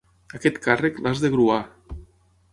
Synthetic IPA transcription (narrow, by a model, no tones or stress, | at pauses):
aket̪kareklazðeɣɾua